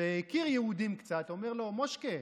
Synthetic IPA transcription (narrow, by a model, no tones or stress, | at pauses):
eikiʁjeud̪imkt͡sat̪o̞meʁlo̞moʃke